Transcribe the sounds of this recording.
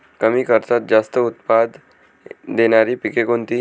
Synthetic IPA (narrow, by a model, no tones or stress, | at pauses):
kəmiːkəɾt̪at̪̚d͡ʑast̪əut̪̚pad̪ | d̪eñaɾipikekont̪i